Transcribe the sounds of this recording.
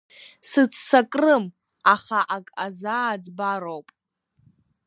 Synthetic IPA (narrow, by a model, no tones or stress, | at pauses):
sɨt͡sʰsakʼrɨm | aχaʔakʼazaːd͡zbaɾowpʼ